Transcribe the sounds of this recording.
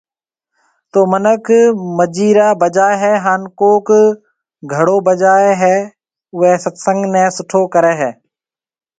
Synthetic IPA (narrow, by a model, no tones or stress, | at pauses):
t̪oːmənəkʰməd͡ʒiːɾaːbəd͡ʒaːeɦɛːɦaːnkoːk | ɡʱəɽoːbəd͡ʒaːeɦɛː | ʊɦeːsət̪sə̃ŋɡnɛ̃ːsʊʈʰoːkəɾɛːɦɛː